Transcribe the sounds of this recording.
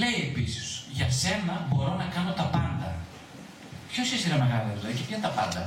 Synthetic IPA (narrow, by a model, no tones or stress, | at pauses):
le̞ie̞pisisʝɐse̞nɐbo̞ɾo̞nɐkɐno̞t̪ɐpɐnd̪ɐ̰ | pço̞sisiɾɐme̞ɣɐliɐzoicepçɐt̪ɐpɐnd̪ɐ